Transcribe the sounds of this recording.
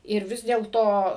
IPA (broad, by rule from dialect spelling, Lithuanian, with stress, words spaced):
ɪr ˈʋʲɪs dʲeːlˠˈtoː